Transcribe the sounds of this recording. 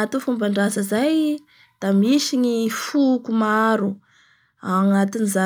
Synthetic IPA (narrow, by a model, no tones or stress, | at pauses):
at̪ufumbaɳɖ͡ʐazəzaj | d̪̥amisiɲifukumaaɾu | aŋat̪iniza